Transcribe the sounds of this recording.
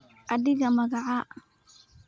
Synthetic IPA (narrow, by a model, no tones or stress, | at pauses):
ʔɐðɪɣɐmɐɣaʕa